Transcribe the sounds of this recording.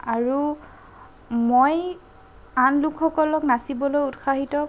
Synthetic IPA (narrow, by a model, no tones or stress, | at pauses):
aɹu | moj | anlukʰxɔkɔlɔknasibɔlojutxʰaɦitɔ